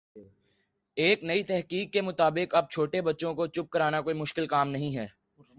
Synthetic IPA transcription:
eːknɐit̪ɛɦkiːkːemʊt̪aːbɪkɐb̚t͡ʃʰoːʈebɐtːʃõkot͡ʃʊp̚kɐɾaːnakoːimʊʃkɪlkaːmnɐɦĩɦɛː

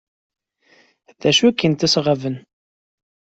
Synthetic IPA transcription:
ðæʃuækːənt̪isʁəvən

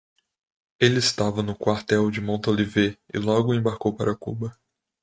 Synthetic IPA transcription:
elɪɪst̪avɐnʊkwaɾt̪ɛwd͡ʒɪmõnt̪oliveɪ̰lɔɡʊẽbaɾkowpaɾɐkṵbɐ

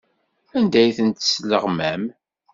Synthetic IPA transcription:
ænd̪æjθənt̪sləʁmæm

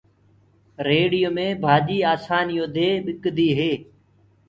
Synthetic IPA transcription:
ɾeːɽɪjoːmẽːbʱaːʄiːaːsaːnɪjoːd̪eːɓɪkd̪iːɦeː

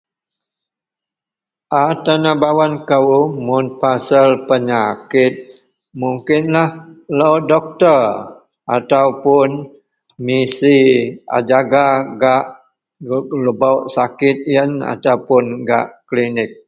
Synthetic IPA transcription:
ʔat̪anabawankəwumʊnpasəlpəɲakɪt̪̚ | muŋkɪnlahlowdɔk̚t̪ər | ʔat̪awpʊn | misia̰d͡ʒaɡaɡaʔ | ləbawʔsakɪt̪̚jəna̰t̪awpʊnɡa̰ʔklinɪk̚

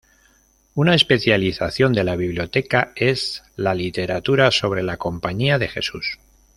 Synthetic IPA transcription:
unae̞spe̞θjaliθaθjo̞nd̪e̞laβiβljo̞t̪e̞kae̞z | lalit̪e̞ɾat̪uɾaso̞β̞ɾe̞lako̞mpaɲiaðe̞xe̞̰sus

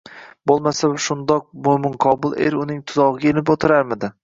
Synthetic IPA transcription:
bolˠmasabɪʃʊnd̪ɒq̚momɪnqʰɒbʊlˠḛɾʊnɪŋt̪ʰʊzɒʁɪɡʲaelɪpot̪ʰɪɾaɾmɪd̪ɪ

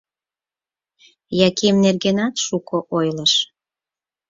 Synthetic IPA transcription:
jɑkemnerɣenɑt̪ʃukoʔojləʃ

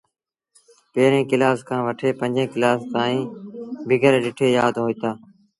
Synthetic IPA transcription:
peːɾẽːkɪlaːskʰãːʋəʈʰeːpə̃nd͡ʒẽːkɪlaːst̪aːĩːbɪɡəɾeːɗɪʈʰeːjaːd̪ɦoːiːt̪aː

